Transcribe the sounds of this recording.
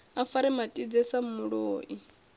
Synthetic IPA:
afaɾɛmatʼid͡zɛsamuɺoːʔi

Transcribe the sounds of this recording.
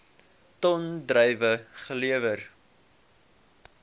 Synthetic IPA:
tɔndrœjvəχəliəvər

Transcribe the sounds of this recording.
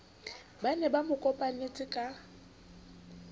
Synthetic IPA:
banɛbamʊkʼɔpʼanet͡sʼɪkʼa

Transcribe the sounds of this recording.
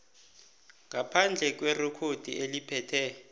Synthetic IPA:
ŋʱapʰand͡ɮʱɛk̬werukʰod̥ʱḭʔelipʰɛːtʰɛ

